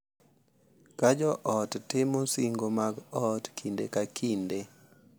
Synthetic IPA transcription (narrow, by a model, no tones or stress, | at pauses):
kad͡ʒɔʔɔttɪmosiŋɡomaɡɔtkʰindḛkakʰinde